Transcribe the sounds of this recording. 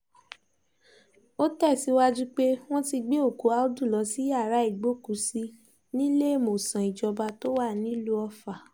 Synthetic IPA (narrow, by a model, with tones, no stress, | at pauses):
o˦tɛ˦˨si˨˧˦wa˦d͡ʒu˦k͡pe˦w̃ɔ̃˦ti˧ɡ͡be˦o˦˨ku˨˦a˦o˦du˦˨lɔ˨˦si˦ja˦˨ɾa˨˦i˦˨ɡ͡bo˨˦˨ku˨˦si˧ | nĩ˦le˦e˦˨mo˨sã˨i˨d͡ʒɔ˧ba˧to˦wa˦˨nĩ˦lu˧ɔ˧fa˨